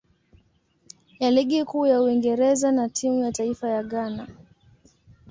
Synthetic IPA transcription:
jaliɠikuːjauiŋɡɛɾɛzanatʰimujataifajaɠana

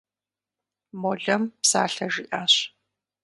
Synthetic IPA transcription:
mɔɮɐmpsa̰ːɬɐʒɪʔaːɕ

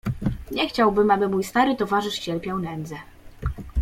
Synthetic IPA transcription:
ɲɛxt͡ɕawbɘmabɘmujst̪aɾɘt̪ɔvaʐɘʂt͡ɕɛlpʲjawnɛnd̪zɛ

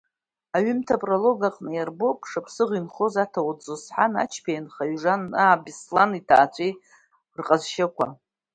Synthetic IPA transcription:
aɥʏmtʰapʼrolo̞ɡaqʼnɨjarbo̞pʼʂapʰsɨʁinχo̞zatʰawad͡zzosħana̰t͡ʃʰpʰajanχaɥʐanːabislanitʰa̰ːt͡ɕʷʰʼej | rqʼazʃakʷʰa̰

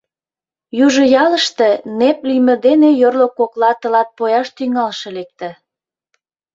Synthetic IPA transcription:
juʒə̆jɑləʃt̪ĕneplimə̆d̪enejorlokoklɑt̪ə̆lɑt̪̚pojɑʃt̪yŋɑlʃɤ̆lek̚t̪ə̆

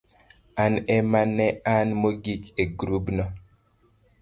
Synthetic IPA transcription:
anɛmanɛanmoɡikeɡɾubnɔ

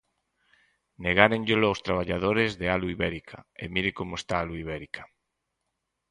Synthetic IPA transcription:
neɣaɾenʎeloawst̪ɾaβ̞aʎaðoɾezðealuiβɛɾikʰaemiɾɪkomʊest̪aaluiβ̞ɛɾikʰḁ

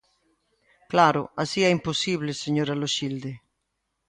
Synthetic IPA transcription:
klaɾʊ̰asiɛimposiβleseɲoɾaloʃild̪e

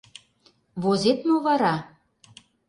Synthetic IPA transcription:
βozet̪noβɑɾɑ

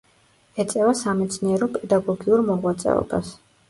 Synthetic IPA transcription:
ɛt̪sʼɛvasamɛt̪sʰniɛɾɔpʼɛd̪aɡɔɡiuɾmɔʁwat̪sʼɛ̰ɔ̰bas

